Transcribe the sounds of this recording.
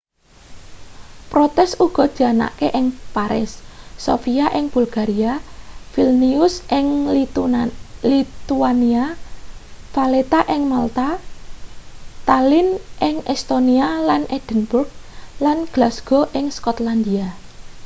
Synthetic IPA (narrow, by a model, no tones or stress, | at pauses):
pɾot̪ɛsuɡ̥ɔ̤d̥ʒ̥ana̰ʔkeʔɪŋpaɾɪ̰sːo̰fiaʔɪŋb̥ulɡ̥aɾiafilniʊsʔɪŋ | lit̪uania | falet̪aʔɪŋmalt̪a | t̪alɪnʔɪŋʔɛst̪onialanɛd̥ənbʊrk̚lanɡ̥lasɡ̥ɔʔɪŋskɔt̪land̪ia